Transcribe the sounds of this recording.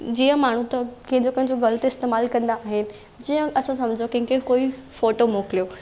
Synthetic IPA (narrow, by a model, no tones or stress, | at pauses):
d͡ʑiːə̃maːɳ̤ũt̪ɐkĩɦɪ̃ɲd͡ʑokɐ̃ɦɪ̃ɲd͡ʑoɡɐlət̪ɪst̪eːmaːlkɐ̃nd̪aaːɦɪnɪ̆ | d͡ʑiːə̃ɐsãs̬ɐ̃md͡ʑʱokɐ̃ɦɪ̃kekoːifoːʈomoːkɪlijoː